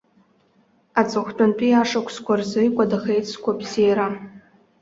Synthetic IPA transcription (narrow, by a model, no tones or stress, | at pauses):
at͡sʼɨχʷt͡pʼant͡pʼiaʂakʷʰskʷarzɨjkʷʼadaxejt͡st͡sʰkʷʰabzejɾa